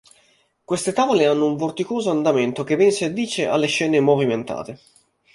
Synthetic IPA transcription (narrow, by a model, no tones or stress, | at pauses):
kwest̪et̪aːvoleanːouɱvort̪ikoːzoand̪amɛnt̪ok̟evɛnsad̪ːiːt͡ʃeʔa̰lːeʃːɛːnemoviment̪a̰ːt̪e